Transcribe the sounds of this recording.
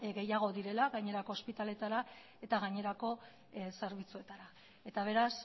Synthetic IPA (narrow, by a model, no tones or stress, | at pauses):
ɡe̞jaɣ̞o̞ðiɾe̞laɣaɲe̞ɾako̞ːspit̪ale̞t̪aɾa | e̞t̪aɣaɲe̞ɾako̞ | se̞ɾβ̞it͡sue̞t̪aɾa | e̞t̪aβ̞e̞ɾas